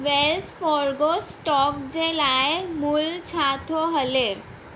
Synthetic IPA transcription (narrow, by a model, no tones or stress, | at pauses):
ʋelsfɔɾɡosʈɔk̚d͡ʑelajemult͡ɕʰat̪ʰoɦəle